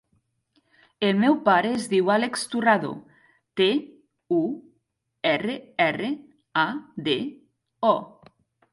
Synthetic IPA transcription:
emewpaɾezðiwalekst̪uraðo̰ | t̪e | u | ɛreɛre | ad̪e | ɔ

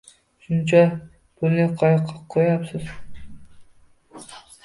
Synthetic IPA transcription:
ʃunt͡ʃɑ | b̥olneqʰɑjɑqʰɑqʰːojɑpsɨz

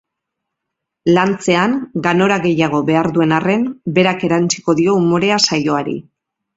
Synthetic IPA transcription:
lant͡se̞aŋɡano̞ɾaɣe̞jaɣ̞o̞βe̞aɾðue̞nare̞nbe̞ɾake̞ɾant͡si̥ko̞ðio̞umoɾe̞asajo̞aɾḭ

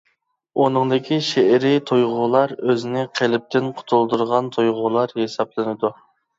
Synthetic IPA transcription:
onɨŋd̪ɪkʲʰiʃeɪɾɪt̪ʰojʁʊlˠɑɾøzɪnɪqʰelɪp̚t̪ɪnqʰʊ̥t̪ʰulˠd̪ɨɾʁɑnt̪ʰojʁʊlˠɑɾhesɑplˠɪnɨd̪u

